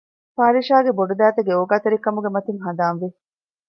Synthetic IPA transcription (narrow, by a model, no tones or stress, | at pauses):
paːɾiʃaːɡeboɖud̪æːt̪eɡeoːɡaːt̪eɾikɐmuɡemɐt̪iŋɦɐd̪aːnʋi